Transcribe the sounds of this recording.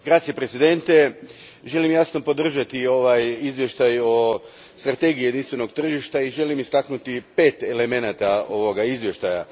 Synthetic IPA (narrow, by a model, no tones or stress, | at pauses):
ɡɾat̪siepɾet̪sid̪e̞nt̪e̞ | ʒe̞limjasno̞pod̪r̩ʒat̪io̞ʋajizʋje̞ʃt̪ajo̞ | st̪ɾat̪e̞ɡijed̪inst̪ʋe̞no̞ɡ̚t̪r̩ʒiʃt̪aiʒe̞limist̪aknut̪ipe̞ːt̪e̞leme̞nat̪ao̞ʋo̞ɡaizʋje̞ʃt̪aja